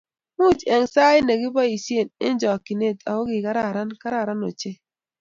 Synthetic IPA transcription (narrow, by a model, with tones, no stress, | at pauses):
mu˦˨t͡ʃɛ˨ŋsa˦i˦ne˨ɡi˦bɔ˦i˨si˦e˦˨nɪ̰˦n˦d͡ʒɔ˨ki˨ne˦˨ta̰˨o˦ɡi˨ka˦ɾa˦˨ɾa˦nka˦ɾa˦˨ɾa˦no̰˨t͡ʃe˦